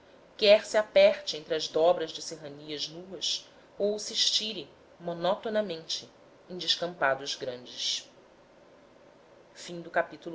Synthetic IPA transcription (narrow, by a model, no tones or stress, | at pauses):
kɛɾsɪapɛɾt͡ʃɪẽnt̪ɾɪɐʒd̪ɔbɾɐʒd͡ʒɪseɦɐniɐʒnuɐs | owsiʃt͡ʃiɾɪ | monɔt̪onɐmẽnt͡ʃɪ | ẽj̃d͡ʒɪʃkɐ̃mpad̪ʊʒɡɾɐ̃nd͡ʒɪs | fĩŋd̪ʊkapit̪ul